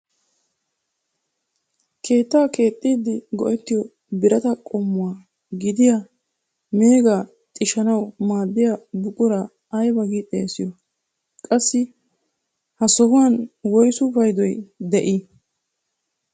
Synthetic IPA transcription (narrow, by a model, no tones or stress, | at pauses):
kʰe̞ːt̪ːaːke̞ːt̪ʼːiːd̪ːɪɡɔʔɛt̪ːɪjɔ | bɪɾɐt̪ɐkʼɔmːʊwaː | ɡɪd̪ɪja | me̞ːɡaː | t̪ʼɪʃɐnɐwmaːd̪ːɪjabʊkʼʊɾaː | jbɐɡit̪ʼːesɪjɔ | kʼɐsːɪ | hɐsɔhʊwanwɔjsʊbɐjd̪ɔjd̪ɛʔɪ